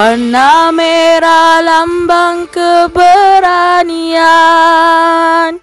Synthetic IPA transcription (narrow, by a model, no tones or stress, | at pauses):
anːameɾalambaŋkəbəɾania | n